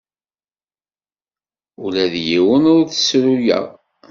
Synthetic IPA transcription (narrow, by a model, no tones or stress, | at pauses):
ʊlæðjiwənʊɾθə̥sɾujæ̰